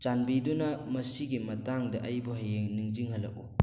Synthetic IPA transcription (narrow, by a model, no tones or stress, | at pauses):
t͡ʃanbidunɐmɐsiɡimɐtaŋdɐʔɐjbuɦajeŋnɯŋd͡ʒiŋhɐlɐ̰k̚u